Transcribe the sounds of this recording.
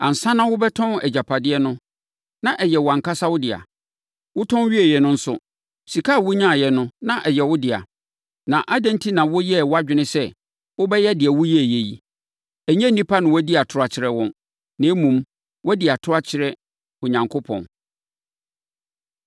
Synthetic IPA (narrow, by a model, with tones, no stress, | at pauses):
ã˨n̩˨sã˦nã˦wʊ˦bɛ˦tʰɔ̃˦nɛ˨d͡ʑa˨pʰa˨dɪ˦ɛ˦nʊ̃˦ | nã˨ʔɛ˨jɛ˨wʊ˨ã˨ŋka˦sa˦wʊ˦dɪ˨a̰˨ | wʊ˦tʰɔ̃˦n˦ɥi˦æ˨jɛ˨nʊ̃˦n̩˦sʊ˦ | si˨kʰa˦˨wʊ˦ɲã˦˨jɛ˨nʊ̃˦nã˦ʔɛ˨jɛ˨wʊ˦dɪ˨a̰˨ | nã˨ʔa˦dɛ̃˦ntʰi˦nã˨wʊ˦jɛ˦˨wʊ˦a˦d͡ʑᶣɪ˦nɪ̃˦sɛ˦˨ | wʊ˦bɛ˦jɛ˦dɪ˨ɛ˨wʊ˦jɛ˦æ˨jɛ˨ji˨ | æ˨ɲɛ̃˦nĩ˦pʰa˦nʊ̃˨wæ˦di˦a˨tʰʊ˦ɾa˨t͡ɕʰɪ˨ɾɛ˨wɔ̃˦n | nɪ̃˨˦mũ˨m | wdɪ˨a˨tʰʊ˦a˦t͡ɕʰɪ˨ɾɛ˦ | ʊ˨ɲã˨ŋkʰʊ˦pʰɔ̰̃˨n